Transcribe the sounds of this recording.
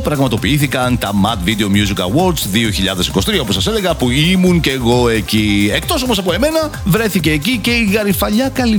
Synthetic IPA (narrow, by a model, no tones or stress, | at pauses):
pɾɐɣmɐt̪o̞piiθikɐnt̪ɐmɐt̪vid̪e̞o̞mjuzikɐ̰wo̞ɾd̪zðio̞çiʎɐðe̞si̥ko̞si̥t̪iɐoposɐsele̞ɣɐpuimunce̞ːɣo̞e̞cie̞k̚t̪o̞so̞mos̬ɐpo̞e̞me̞nɐ | vɾe̞θice̞ːcice̞iɣɐɾifɐʎɐkɐli